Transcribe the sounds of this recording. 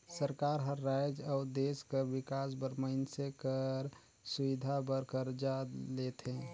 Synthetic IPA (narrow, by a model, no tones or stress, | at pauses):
səɾkaɾɦə̃ːajd͡ʒaʊd̪eskəɾbikasbəɾməɪnsekəɾ | suʋid̪ʱabəɾkəɾd͡ʒalet̪ʰẽ